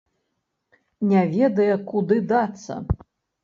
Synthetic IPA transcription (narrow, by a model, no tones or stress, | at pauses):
nʲavʲɛd̪ɐjɐkud̪ɨd̪at̪sːɐ̰